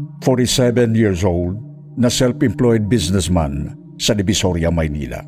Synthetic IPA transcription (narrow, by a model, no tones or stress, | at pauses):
fɔɹtisɛbɛ̃njiɹs̬old̪̚ | nɐsɛlfɪ̃mplɔjd̪̚bisnɛsmã̰n | sɐd̪ɪbisɔɾjamajnḭla̰